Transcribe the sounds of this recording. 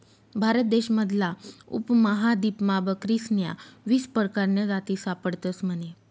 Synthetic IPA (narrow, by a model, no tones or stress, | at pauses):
bʱaɾət̪̚d̪eɕməd̪ʱlaṵpməɦad̪ipmabəkɾisnja̰ʋispəɾkaɾneɾat̪iːsapəɽt̪əsm̤əne